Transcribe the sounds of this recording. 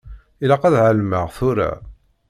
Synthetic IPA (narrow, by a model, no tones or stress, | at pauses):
ilæqæðʕəlməʁθʊɾa̰